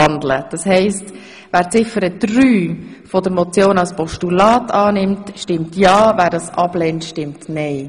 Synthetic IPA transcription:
ɑndlə̰d̥ɑshɛɪst | ʋæːɾt͡sɪfəɾəd̥ɾyːfɔd̥əɾmɔt͡sjoːnɑlspɔʃtulɑːtʰɑːnɪmtʃtɪmtjɑːvæːɾdɑsɑb̥lɛːntʃtɪmtnɛɪ

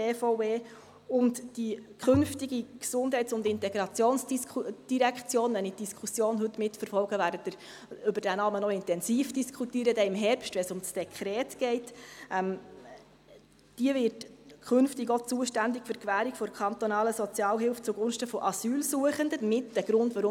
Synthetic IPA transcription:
eːfɔeː | ʊntd̥ikχɵnftiɡiksʊnd̥ɦɛɪtt͡sʊndɪntɛɡɾɑt͡sjoːnsd̥iɾækt͡sjoːnʋɛnitd̥iskʰχusjoːnɦɵtːmɪtfəɾfɔlɡəʋæːɾdət̪ɪɾ | ʏbəɾd̥ænɑːmənɔɪntɛnsiːfd̥iskʰχutiəɾədɛɪmɦɛɾpʃtʋɛnsʊmsd̥ɛkʰɾɛːtɡ̥ɛɪtʔɛm | d̥iəvɪɾtkʰʏnftɪɡɔt͡suəʃtændɪkfʏɾkʋæːɾikfɔɾkʰɑnt̪ɔnɑːləsɔt͡sjɑːlɦɪlft͡suɡʊnʃtəfɔʔɑsyːlsuəχəndəmɪtd̥ɛɡ̥ɾʊndʋɑɾʊ

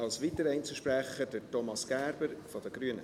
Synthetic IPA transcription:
ɑlsʋitəɾəɛɪnt͡səʃpɾæχəd̥ətɔmɑsɡ̥æːɾb̥əɾfɔd̪əɡ̥ɾyənə

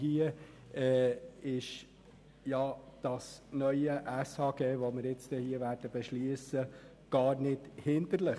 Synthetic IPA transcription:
hiə | ɛːɪʃ | jɑd̥ɑsnœʏəʔæshɑːɡ̥eːʋomɪɾɪt͡st̪ɛhiəvæːɾd̥əb̥ɛʃliəsə | ɡ̥ɑːɾnɪthɪnd̪əɾləχ

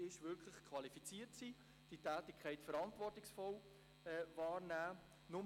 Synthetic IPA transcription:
ɪʃvʏɾkʰlɪχkʰvɑlifit͡siːəɾtsiː | d̥itæːtɪkʰχɛɪtfəɾɑntvɔrtɪksfɔl | ɛvɑːɾnæː | nʊm

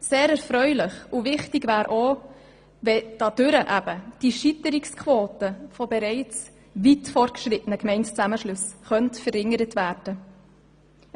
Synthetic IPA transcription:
seːɾɛɾfɾœʏlɪχuvɪχtɪɡvæːɾʔo | vɛd̥ɑd̥ʏɾəʔæb̥əd̥iʃitəɾɪkskʰʋoːtəfɔbɛɾɛɪt͡s | ʋitfɔrt̚ɡʃɾɪtənəkmɛɪntt͡sæməʃlʉsχœntfəɾɪŋəɾətvæːrd̥ə

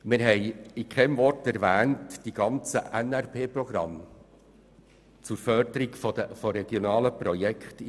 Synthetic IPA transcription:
mɪɾɦɛɪikʰɛmvɔɾtɛɾvæːntd̥iɡ̥ɑnt͡səʔɛnæɾpeːpɾɔɡ̥ɾɑ̰m | t͡suɾfœɾd̪əɾiɡ̥fɔ̥əfɔɾɛɡ̥jonɑːləpɾɔjɛkχt

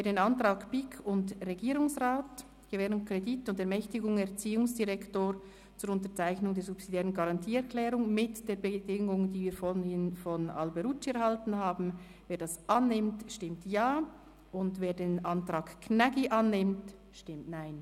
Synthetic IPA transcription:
veːɐdeːnantʁ̥aːkpɪkʰʊndʁeɡiːɾʊŋsʁaːt | ɡ̥əvɛːɾʊnkr̥editʊndɛɐmɛçtɪɡʊŋɛʁt͡siːʊŋsd̥iʁɛktoːɾ | t͡sʊːɾʊntət͡saɪçnʊŋdeːɐzupsid̥jɛːʁənɡaʁɑntʰiːɛʁkʰlɛːʁʊŋmɪtd̥eːɐɾbədɪŋʊŋdiːviːfohɪnfɔna̰lbɛɾut͡ʃiɛɐʁhaltn̩haːbn̩ | veːdɑsʔɑnːɪmtʃtɪmtjaː | ʔʊndveːɐdeːnʔɑntʁ̥aːkknaɡiʔanːɪmt | ʃtɪmtnaɪn

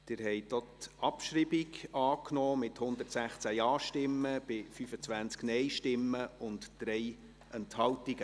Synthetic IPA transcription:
d̥ɪɾhɛjt̪otɑpʃribiɡɑːknɔːmɪthʊnd̪ərtsæχt͡sæjɑːʃtɪmːəb̥ɪfyfət͡sʋænt͡sknɛjʃtɪmːəʊntd̥ɾɛj | ʔɛnthɑltiɡə

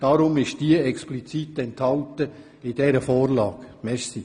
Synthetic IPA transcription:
d̥ɑːɾʊmɪʃd̥iəɛksplit͡sit̪ɛnthɑltə | ɪd̥ɛɾəfɔːrlɑːkmɛʃsi

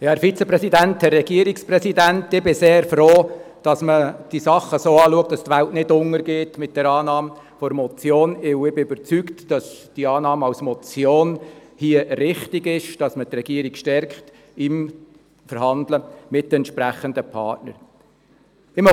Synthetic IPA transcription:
jɑːɛɾfit͡səpɾɛsidænthɛrːɛɡ̥iəɾiksprɛsidæntɪbɪseːɾfroː | d̥ɑsməd̥isɑχːəsoːɑːluək̚t̚dɑstʋæltnɪdʊŋːəɾɡeːtmɪt̚d̥ɛɾɑːnɑːm | fɔɾmɔt͡sjoːnɪwɪbɪøbəɾt͡syktd̥ɑsd̥iɑːnɑːmɑwsmɔt͡sjoːnhiəɾɪχtɪɡɪʃd̥ɑsmətrɛɡ̥iːəɾikʃtɛɾkχt | ɪm | fəɾɦɑndləmɪt̚ːəɛntʃpɾæχəndəpʰɑ̰tnə̰ɾ | ɪm

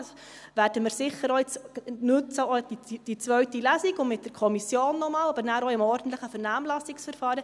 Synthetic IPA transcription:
s | ʋæːɾd̥əmɪɾsɪχəɾoɪt͡snʉt͡səodid̥it͡sʋœɥtilæːsiɡʊnmɪt̚d̥əɾkʰɔmisjoːnːɔmɑːlɑbəɾnæːɾoɪmɔɾdn̩t̪ləχəfɛɾnæːmlɑsiksfəɾfɑːɾə

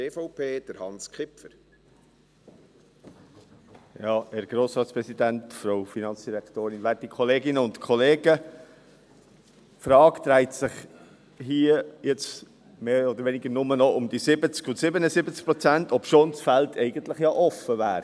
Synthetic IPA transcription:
eːfɔʊpʰeːd̥əɾhɑnskχɪpfəɾ | jɑːɛːɾɡ̥ɾoːsɾɑːtspɾɛsidæntfɾoʊfinɑnt͡sd̥iɾɛktoːɾɪnʋæːɾtikʰɔleːɡɪnəʊntkʰɔleːɡə | fɾɑːkt̪ɾɛɪtsɪχ | ɦiːəjɛt͡s | meːɔd̪əɾʋɛnɪɡəɾnʊmənɔʊmd̥̪isɪbət͡skʊntsɪbənəsɪbət͡sk̚pɾɔt͡sæntɔpʃoːnsfæltʰɛɪɡənt̪ləχjɑʔɔfəvæːɾ

